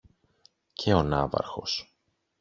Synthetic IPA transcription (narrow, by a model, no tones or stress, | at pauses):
cʰeo̞nɐvɐ̰ɾxo̞s